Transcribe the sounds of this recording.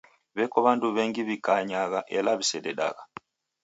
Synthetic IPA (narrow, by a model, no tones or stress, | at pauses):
βekoβaːnduβeːŋɡiβikaɲaɣaʔelaβisedeɗa̰ɣa